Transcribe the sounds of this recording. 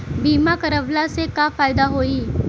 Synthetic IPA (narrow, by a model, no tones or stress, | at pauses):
bʱimakəɾəʋlasekafajd̪aɦoiː